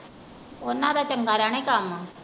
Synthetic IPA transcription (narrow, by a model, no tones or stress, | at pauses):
oːɾnad̪at͡ʃəŋɡaːɾaːñekaːma